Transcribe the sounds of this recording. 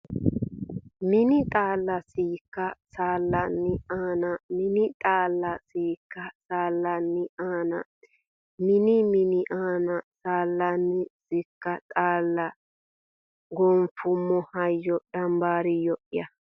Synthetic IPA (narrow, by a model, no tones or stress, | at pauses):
mɪnɪt̪ʼaːlːɐsiːkːɐsaːlːɐnːɪaːnɐmɪnɪt̪ʼaːlːɐsiːkːɐsaːlːɐnːɪʔaːnɐ̰ | mɪnɪmɪnɪʔaːnɐsaːlːɐnːɪsɪkːɐt̪ʼaːlːɐ | ɡɔnfʊmːɔhɐjːɔd̪ɐmbaːɾɪjɔʔɪjɐ